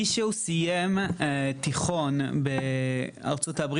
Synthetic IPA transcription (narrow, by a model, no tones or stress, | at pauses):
iʃeusijemtiχo̞nbe | a̰ʁt͡so̞tabʁ